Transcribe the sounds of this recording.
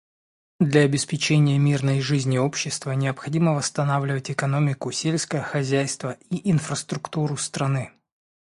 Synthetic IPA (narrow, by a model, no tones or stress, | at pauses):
d̪lʲɐːbʲɪspʲɪt͡ɕenʲɪjəmʲirnəjʐɨzʲnʲɪo̞pɕːɪst̪vənʲɪəpxɐdʲiməvəst̪ɐnavlʲɪvətʲɪkɐno̞mʲɪkʊsʲelʲsʲkəjəxɐzʲæjst̪vəʔiʔɪnfɾəst̪ɾʊkt̪uɾʊst̪ɾɐnɨ